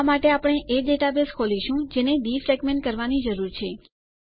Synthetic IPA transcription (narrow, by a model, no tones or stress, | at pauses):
maʈeapəɳ̃eʔeɖeʈabeskʰoliʃũd͡ʒened̪ifɾɛɡmẽɳʈ̚kəɾʋanid͡ʒəɾuɾt͡ʃʰe